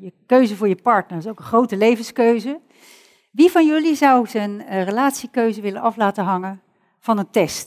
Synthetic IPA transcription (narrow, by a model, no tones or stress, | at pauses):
jəkøɥzəvʊːɹjəpɑɹtnəɹɪsowkə̃nχrowtəlejvənskøɥzə | ʋivɑnjɵlizʌwzənrəlaːtsikøɥzəʋɪlənɑflaːtəɦɑŋən | v̥ɑnəntɛst